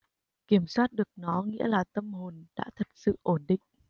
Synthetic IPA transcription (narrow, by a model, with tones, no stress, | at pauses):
ki˧˩əmswaː˥t̚ɗɨ˨˩ək̚nɔ˨˦ŋḭ˧˥əlaː˨˩t̪ə˧mho˨˩nɗa̰ː˧˥t̪ʰə˨˩t̚sɨ̰˧˨ʔo˧˩nɗḭ̈˧˨ŋ̟